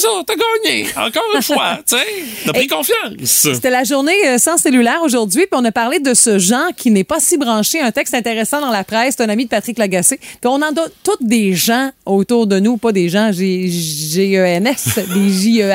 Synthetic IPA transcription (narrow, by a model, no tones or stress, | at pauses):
ʒuːʁt̪əɡɑːɲeɑ̰̃kɑːʁfwaseapʁikɔ̃fjɑ̃sset̪ɛlaʒuʁneəsɑ̃selylɛːʁoʒuʁdzɥipiɔ̃napaʁled̪əsəʒɑ̃ːʁkʲʰinɛpʌsibʁɑ̃ʃeɛ̃t̪ɛkst̪ɛ̃t̪eʁesɑ̃d̪ɑ̃lapʁɛsset̪ɛ̃namid̪əpat̪ʁɪklaɡasepiɔ̃nɑ̃d̪ɔt̪ʊt̪̚d̪eʒɑ̃ot̪uːʁd̪ənupad̪eʒɑ̃ʒeʒeøɛnɛsd̪eʒiø